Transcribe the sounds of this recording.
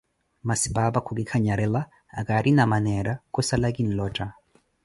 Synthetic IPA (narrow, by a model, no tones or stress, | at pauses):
masibabakʰuɡikʰaɲaɾɛla̰ː | kaɾʔinamanɛɾakɔsalaɡin̩lɔtʼa